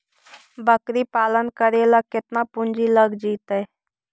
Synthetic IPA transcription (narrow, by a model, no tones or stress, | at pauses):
bəkɾiːpaːlənkəɾeːlakɪt̪naːpʊnd͡ʒiːləɡd͡ʒiːt̪ɛː